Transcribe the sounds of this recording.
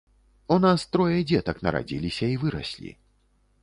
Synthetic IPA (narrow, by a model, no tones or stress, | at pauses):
unast̪ɾɔjɐd͡zʲɛt̪ɐknɐɾa̰d͡zʲḭlʲisʲɐivɨɾɐ̰sʲlʲḭ